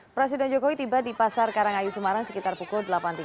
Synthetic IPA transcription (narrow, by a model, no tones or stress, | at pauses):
pɾɛs̬idɛnd͡ʒɔkowit̪ibadipasarkaɾaŋajusumaɾaŋsəkit̪arpukuldəlapant̪i